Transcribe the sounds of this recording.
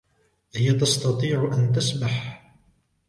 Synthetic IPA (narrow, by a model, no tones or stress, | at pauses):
ðɪjat̪ɑst̪ɑt̪ˤiːʕʊʔant̪asmaħ